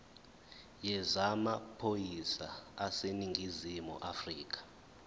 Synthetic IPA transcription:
jɛzamapʰojisa̰aseniŋʱizimṵʔafriːk̬ḁ

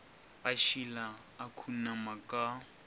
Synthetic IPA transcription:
baʃilaː | kʰunamakʼa

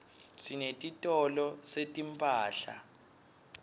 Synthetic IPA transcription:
sinetʼitʼɔlɔsetʼimpʼaːɬa̰

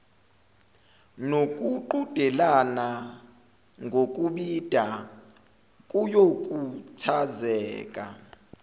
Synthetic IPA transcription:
nokʼuǃud̥ʱɛlana | ŋɡʱokʼuɓid̥ʱa | kʼujokʼutʰazɛːkʼa̰

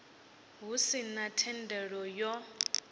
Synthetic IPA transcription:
ɦusinatʰɛndʱɛɺɔjɔ

